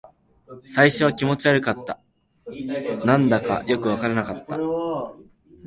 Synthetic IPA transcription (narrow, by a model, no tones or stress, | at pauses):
saiɕo̞β̞akʲimo̞t͡ɕiaɾɯ̟kat̪ːa | nãnd̪aka̰jo̞kɯ̟β̞akaɾanakat̪ːa̰